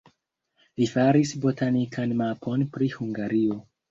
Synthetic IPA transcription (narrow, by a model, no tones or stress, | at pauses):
lifaɾisbo̞tʰanikʰanmapʰo̞npɾihuŋɡaɾio̞